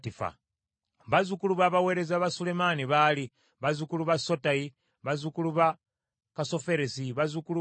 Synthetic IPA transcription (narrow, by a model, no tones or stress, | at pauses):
tifa̰ | βazukuluβaβawe̞ːɾe̞zaβasule̞maniβali | βazukuluβasotaji | βazukuluβa | kaso̞fe̞ɾesiβazukulu